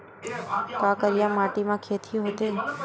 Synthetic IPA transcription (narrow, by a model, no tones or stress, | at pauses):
t̪oakəɾjãmaʈimãkʰet̪ʰiɦot̪e